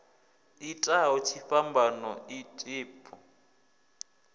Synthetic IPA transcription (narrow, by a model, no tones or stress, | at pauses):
itʼaɦɔt͡ʃʰifambʱanɔitʼɪːpʼɔ